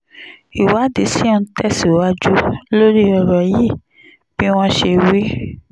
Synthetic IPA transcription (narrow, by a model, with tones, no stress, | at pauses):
i˨wa˨˦de˨si˦ɔ̃˦˧˦tɛ˦˨si˨wa˦d͡ʒu˦lo˦ɾi˦ɔ˧ɾɔ˨ji˦˨ | b̥i˦w̃ɔ̃˦ʃe˧wi˦